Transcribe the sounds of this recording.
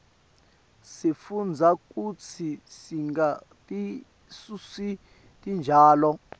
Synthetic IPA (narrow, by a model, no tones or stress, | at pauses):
sifund͡zʱak̬ʼut͡sʰisiŋatʼi | susi | tʼind͡ʒʱaːlɔ